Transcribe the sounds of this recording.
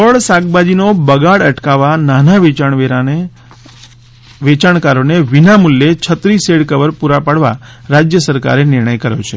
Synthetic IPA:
ʋəɭsaɡbad͡ʒinobəɡaɽəʈkaʋananaʋet͡ʃaɳʋeɾae | ʋet͡ʃaɳkaɾoneʋinamuljet͡ʃʰət̪ɾiseɽkəʋəɾpuɾapaɽʋaɾad͡ʒjəsəɾka̰ɾenɪɾɳ̃əjkəɾjot͡ʃʰe

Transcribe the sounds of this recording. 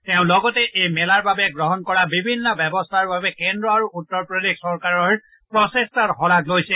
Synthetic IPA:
tɛʊ̃lɔɡɔtɛʔejmɛlaɹbabɛɡɹɔɦɔnkɔɹabibʱinːɔbɛbɔstʰaɹbabɛkendɹɔaɹuutːɔɹpɹodiksɔɹkaɹɔɹ | pɹɔsestaɹɦɔlaklojsɛ

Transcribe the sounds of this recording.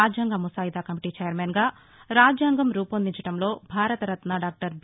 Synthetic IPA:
aːd͡ʒjaːŋɡɐmusaːjid̪aːkɐmiʈiːt͡ʃejɐɾmeːnɡaː | ɾaːd͡ʒjaːŋɡɐmɾuːpɐnd̪iɲt͡ʃɐʈɐmlo̞ːbʱaːɾɐt̪ɐɾɐt̪naɖaːk̚ʈɐɾb

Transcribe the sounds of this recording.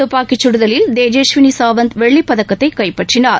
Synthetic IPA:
ɯpːaːkɪt͡ʃːʊɽɯðɐlɪld̪eːd͡ʒeːʃʋɪnisaːʋɐnd̪ʋɛɭːipːɐðɐkːɐt̪ːɐɪkɐɪpːɐʈrɪnaːɾ

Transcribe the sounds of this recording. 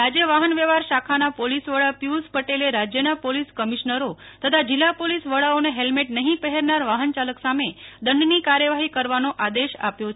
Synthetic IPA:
ad͡ʒeʋaɦənʋeʋaɾʃakʰanapolisʋəɭapjuspəʈeleɾad͡ʒjənapoliskəmiʃnəɾo | t̪ʰət̪ʰad͡ʒilːapolisʋəɭaoneɦelmeʈnəɦĩpəɦɛɾnaɾʋaɦənt͡ʃaləksamed̪əɳɖnikaɾjəʋaɦikəɾʋanoʔad̪eʃa̰pjot͡ʃʰ

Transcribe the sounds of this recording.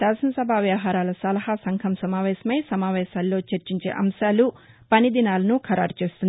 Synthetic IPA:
saːsɐnɐsɐbʱaːʋjɐʋɦaːɾaːlɐsɐlɐɦasɐŋkʰɐmsɐmaːʋɛːʃɐmɐjsɐmaːʋɛːʃaːlːo̞ːt͡ʃɐɾt͡ʃiɲt͡ʃḛːʔɐmʃaːlu | pɐnid̪inaːlɐnukʰɐɾa̰ːɾt͡ʃe̞ːst̪und̪i

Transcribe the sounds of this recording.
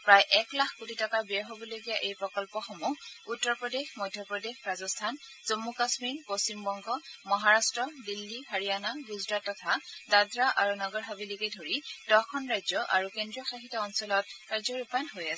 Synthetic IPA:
pɹajʔɛklaxʰkotitɔkabɛaɹɦobɔlojɡijaʔejpɹɔkɔlpɔxomuutːɔɹpɹɔdexmɔjdʱjɔpɹɔdexɹazɔstʰan | z̥omːukasmiɹpost͡ɕimbɔŋɡɔmɔɦaɹastɹɔdilːiɦaɹijanaɡuzdatːɔtʰadadɹaʔaɹunɔɡɔɹɦabilikedʱoɹid̥ɔkʰɔnɹajzɔʔa̰ɹukendɹiɔxaxitɔɔnsɔlɔt̚kaɹzɔɹupanɦojasɛ

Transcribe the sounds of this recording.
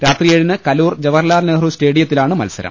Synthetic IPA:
ɾaːt̪rijeɻinɨkɐluːrd͡ʑɐʋɐrlaːrneːrusʈe̞ːɽijɐt̪ːilaːɳɨmɐ̰lsɐɾɐ̰m

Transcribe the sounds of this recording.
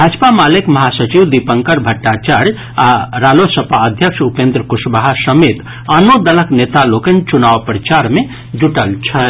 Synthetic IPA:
bʱad͡ʒpamalekməɦasət͡ʃiwd̪ipəŋkəɾbʱəʈːat͡ʃaɾ | aɾalosəpaəd̪ʱjəkʃupend̪ɾəkusbaɦasəmet̪ | anod̪ələknet̪alokent͡ʃunaʋpɾət͡ʃaɾme | d͡ʒuʈəlt͡ʃʰə

